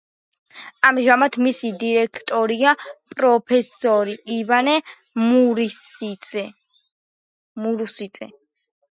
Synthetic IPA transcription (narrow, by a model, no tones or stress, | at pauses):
amʒamat̪ʰmisid̪iɾɛkʰt̪ʼɔɾiapʼɾɔpʰɛsɔɾiivanɛ | muɾi | muɾusit̪sʼɛ